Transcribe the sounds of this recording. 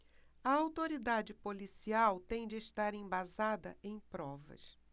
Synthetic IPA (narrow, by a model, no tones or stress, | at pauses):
ɐawt̪oɾid̪ad͡ʒɪpolisiawt̪ẽj̃d͡ʒɪːʃt̪aɾẽj̃bazad̪ɐ̰ʔẽj̃pɾɔvɐ̰s